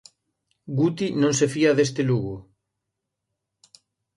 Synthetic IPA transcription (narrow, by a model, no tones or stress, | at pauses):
ɡut̪inõŋsefiaðes̬t̪eluɣʊ